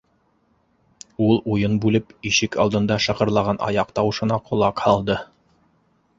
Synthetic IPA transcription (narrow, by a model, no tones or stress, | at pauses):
ulˠujɤnbʉlɘpiʃɘkɑlˠd̪ɤ̆nd̪ɑʃɑqɤ̆ɾlˠɑʁɑnʔɑ̰jɑqt̪ɑwɤ̆ʃɤ̆nɑqʰŏlˠɑqhɑlˠd̪ɤ